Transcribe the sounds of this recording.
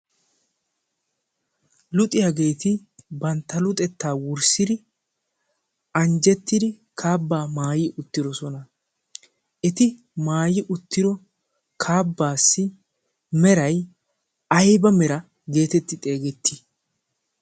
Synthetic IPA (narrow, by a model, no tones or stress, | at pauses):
lʊt̪ʼɪjaɡe̞ːt̪ɪ | bɐnt̪ːɐlʊt̪ʼɛt̪ːaːwʊɾsɪd̪ɪ | ʔɐnd͡ʒɛt̪ːɪd̪ɪ | kʰaːbːaːmaːjɪʔʊt̪ːɪd̪ɔsɔnɐ | ʔɛt̪ɪ | maːjɪʔʊt̪ːɪd̪ɔ | kʰaːbːaːsːɪ | mɛɾɐj | ɐjbɐmɛɾɐ | ɡe̞ːt̪ɛt̪ːɪt̪ʼe̞ːɡɛt̪ʰːɪ̥